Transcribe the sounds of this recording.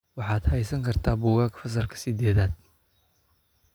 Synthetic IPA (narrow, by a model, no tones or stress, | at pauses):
wɑħɑːd̪hɛjsɐŋkʰɐrt̪ʰaːbuːɣaːkʰɐ̥fɐs̬ɐrkʰɐ̥sɪd̪ɛːðaːd̪̚